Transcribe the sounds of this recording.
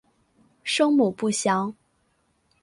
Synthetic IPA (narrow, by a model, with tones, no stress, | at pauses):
ʂɤ˥ŋmu˨˩pu˥˩ɕjɑ˧˥ŋ